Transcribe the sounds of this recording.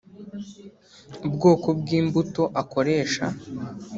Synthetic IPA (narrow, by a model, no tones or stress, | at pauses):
ubɡo̞ːko̞bɡiːmbuto̞ʔako̞ɾe̞ːʃa̰